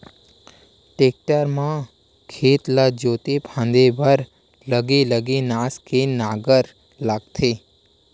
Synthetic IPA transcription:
ʈek̚ʈəɾmã | kʰeːt̪lad͡ʒoːt̪epʰãnd̪ebʱəɾ | ləɡeləɡenaːskenaɡəɾ | laːɡt̪ʰe

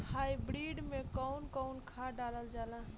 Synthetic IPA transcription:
hajbɾiɖmekəwnkəʊnkʰaɖaləld͡ʒalã

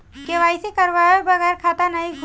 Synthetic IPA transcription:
keʋaːjsekəɾʋajobəɣɛːɾkʰaːt̪anaiɡʱ

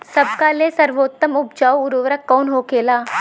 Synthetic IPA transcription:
sɐb̚kalesɐɾʋoːt̪ːəmʊp̚d͡ʒaːoʊɾoːʋɾəkːɔːnɦoːkeːlaː

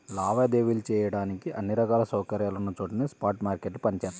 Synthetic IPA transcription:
laːʋaːd̪eːʋilt͡ʃɛːjɐɽaːnikiʔɐnːiɾɐkaːlɐsɐːkɐɾjaːlunːɐt͡ʃoːʈɐnispaːɾʈmaːɾkeʈːupɐnit͡ʃɛːt̪ːa

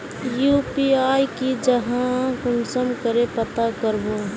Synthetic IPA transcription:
juːpiaːjkid͡ʒəɦãkʊmsəmkəɾepət̪akəɾboː

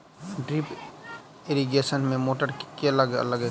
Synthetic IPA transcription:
ɖɾip | ɪɾiɡeːsənmẽmoːʈəɾkeələɡɐ̰ləɡ

